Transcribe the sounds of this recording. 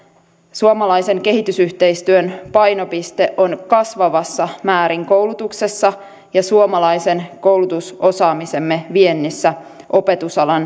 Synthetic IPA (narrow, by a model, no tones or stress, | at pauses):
suomɑlɑjse̞ŋke̞ɦit̪ysyht̪e̞jst̪yønpɑjno̞pist̪e̞ʔo̞nkɑsʋɑʋɑsːɑmæːɾiŋko̞wlut̪ukse̞sːɑ | jɑsuomɑlɑjse̞nko̞wlut̪usʔo̞sɑːmise̞mːeʋie̞nːisːæ | ʔo̞pe̞t̪usɑlɑn